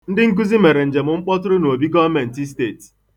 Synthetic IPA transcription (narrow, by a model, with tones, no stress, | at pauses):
n̩˦dɪ˦ŋ̩˦k̬u˦zi˦me˨ɾe˨n̩˨d͡ʒe˨mʊ˨ŋ͡m̩˦k͡pɔ˦tʊ˦ɾʊ˦no˨o˨bi˦ɡɔ˦vme˨n̩˨ti˦s̬te˦˨t